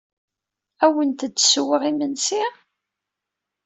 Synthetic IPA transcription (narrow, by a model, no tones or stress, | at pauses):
æwənt̪əd̪ːswəʁimənsi